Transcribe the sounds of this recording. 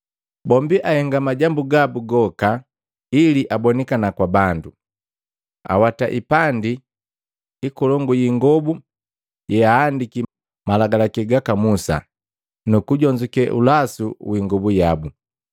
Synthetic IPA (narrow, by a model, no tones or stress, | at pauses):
bɔmbiʔahɛŋɡamaɟambuɡabuɡɔka | iliʔabɔnikanakwabandu | a̰wataʔipandi | ikulɔŋɡujiŋɡɔbu | jɛaːndiki | malaɡalakɛɡakamusa̰ | nukuɟɔɲd͡ʒukɛʔṵlasuwiŋɡɔbujabu